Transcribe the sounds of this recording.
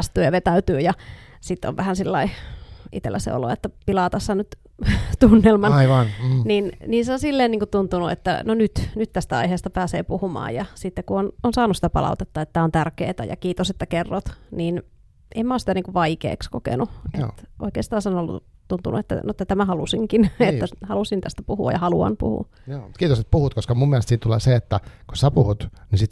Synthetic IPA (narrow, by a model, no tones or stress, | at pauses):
st̪yːjɑʋet̪æyt̪yːjɑ | sit̪ːo̰ʋʋæhænsilːɑ̰iʔḭt̪ḛlːæsḛo̰lo̰ḛt̪ːæpilɑːt̪ɑsːɑnyt̪ | t̪unːelmɑniʋɑnninniːnseonsilːeːniːŋkut̪t̪unt̪unuḛt̪ːæ̰nonyt̪nyt̪t̪æst̪æɑ̰iɦeːst̪ɑpæːsḛːpuhumɑ̰ːjɑsit̪ːekuononsɑːnusi̥t̪æpɑ̰lɑ̰ut̪et̪ːɑet̪ːæːont̪ærkḛːt̪æ̰jɑ̰kiːt̪oset̪ːækerːot̪niːn | ʔemmæosit̪æniːŋkuʋʋɑikḛːkskokḛnuʔḛt̪ʔo̰ikeːst̪ɑːnsenolːṵt̪unt̪ṵnṵet̪ːæ̰noet̪ːæt̪æmæhɑlusiŋkinet̪ːæhɑlusint̪æst̪æpuhuɑ̰jɑhɑluɑ̰npṵhṵ | joːmut̪̚kiːt̪oset̪̚puhut̪koskɑmumːieælest̪siːt̪t̪ulḛːseet̪ːæku̥sæpuhut̪nisit̪